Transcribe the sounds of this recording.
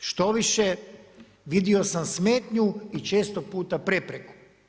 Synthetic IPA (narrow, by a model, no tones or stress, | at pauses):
ʃt̪o̞ʋiʃe | ʋid̪io̞samsme̞ːt̪ɲuit͡ʃe̞ːst̪o̞puːt̪apɾepɾeku̥